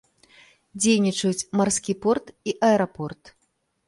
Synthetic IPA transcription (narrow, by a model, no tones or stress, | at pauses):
d͡zʲejnʲit͡ʂɐjut͡sʲmarskʲipɔrt̪iʔɐɛɾapɔrt̪